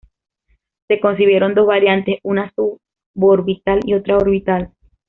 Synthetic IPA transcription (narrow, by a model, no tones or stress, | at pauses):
se̞ko̞ns̬iβjeɾo̞nd̪o̞zβaɾjant̪esunasu | βoɾβit̪alḭo̞t̪ɾaoɾβit̪al